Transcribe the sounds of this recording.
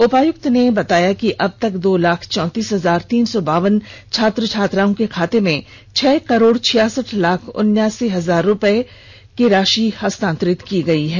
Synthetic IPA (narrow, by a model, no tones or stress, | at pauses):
ʊpaːjʊk̚t̪nebɐt̪aːjakiʔɐb̚t̪ɐkd̪oːlaːkʰt͡ʃɔ̃ːt̪iːsɦɐzaːɾt̪iːnsɔbaːʋənt͡ʃʰaːt̪ɾət͡ʃʰaːt̪ɾaːõkekʰaːt̪emẽ | t͡ʃʰɛːkɐɾoːɽt͡ʃʰɪjaːsəʈʰlaːkʰʊ̰njaːsiɦɐzaːɾːʊpəe | kiɾaːʃihɐst̪ãːnt̪ɾɪt̪kiɡɐiɦɛː